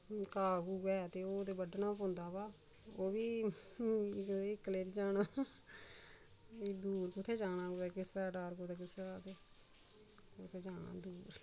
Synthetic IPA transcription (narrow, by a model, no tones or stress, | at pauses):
kaːɡuːɡɛːt̪eːoːt̪eːbəɖnaːpõːnd̪aːbaː | oːbiː | ɪkːəleːʈd͡ʒaːnaː | d̪uːɾkʊt̪ʰːeːd͡ʒaːnãːkoːeːkɪsɾaːɖaːɾkoːt̪eːk̬ɪsɾaːt̪eː | ʊt̪ʰeːd͡ʒaːnã̰ːd̪uːɾ